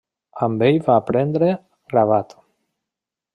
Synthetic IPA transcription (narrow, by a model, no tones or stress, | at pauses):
ambejvaːpɾend̪ɾe | ɡɾaβat̪o̥